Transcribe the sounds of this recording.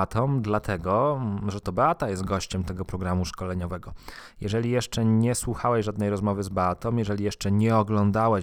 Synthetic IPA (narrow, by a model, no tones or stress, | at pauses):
t̪ʰɔmd̪lat̪ʰɛɡɔʐɛt̪ɔbɛat̪ajɛst̪̚ɡɔɕt͡ɕɛmt̪ɛɡɔpɾɔɡɾamuʂkɔlɛɲɔvɛɡɔjɛʐɛlʲijɛʂt͡ʂɛɲɛswuxawɛɕʐad̪nɛjɾɔzmɔvɘzbɛat̪ɔ̃mjɛʐɛlʲijɛʂt͡ʂɛɲɛɔɡlɔnd̪awɛ